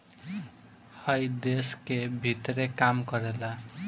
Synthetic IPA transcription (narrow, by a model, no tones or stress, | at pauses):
hʌjd̪eskebʱit̪rekamkʌɾela